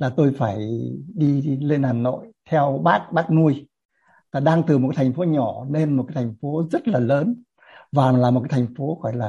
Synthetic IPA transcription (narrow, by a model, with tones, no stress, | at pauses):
laː˨˩t̪o˧jfaː˧˩jɗi˧le˧nhaː˨˩nːo̰˧˨jt̪ʰɛ˧wɓaː˦˥k̚ɓaː˦˥k̚nu˧əj | vaː˨˩ɗaː˧ŋt̪ɨ˨˩mo˨˩a˦jt̪ʰa˨˩ŋ̟fo˨˦ɲɔ˧˩ne˧nmo˨˩kːa˨˦jt̪ʰa˨˩ŋ̟fo˨˦zə˦˥t̚laː˨˩ləː˨˦n | vaː˨˩lːmo˨˩kaː˨˦jt̪ʰa˨˩ŋ̟fo˨˦xɔ˧˩˨laː˨˩